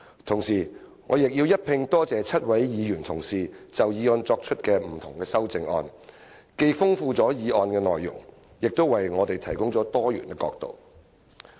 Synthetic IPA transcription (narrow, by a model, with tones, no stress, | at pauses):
t̪ʰʊ˨˩ŋsiː˨˩ | ŋɔː˨˧jɪ˨k̚jiː˧wjɐ˥t̚pʰɪ˧ŋt̪ɔː˥t͡sɛː˨˧t͡sʰɐ˥t̚wɐ˨˥jjiː˨˧jyː˨˩nt̪ʰʊ˨˩ŋsiː˨t͡sɐ˨wjiː˨˧ɔː˧nt͡sɔː˧k̚t͡ʃʰɵ˥t̚kɛː˧m̩˨˩t̪ʰʊ˨˩ŋkɛː˧sɐ˥wt͡sɪ˧ŋɔ̰ː˧n | ke˧jfʊ˥ŋfuː˧t͡sɔː˨˥jiː˨˧ʔɔː˧nkɛː˧nɔ̰ː˨jːʊ̰˨˩ŋ | jɪ˨k̚t̪o˥wɐ˨jŋɔː˨˧t̪e˨jt̪ʰɐ˨˩jkʊ˥ŋt͡sɔː˨˥t̪ɔː˥jy̰ː˨nt̪ɪ˧kːɔ̰ː˧k̚t̪o̰˨w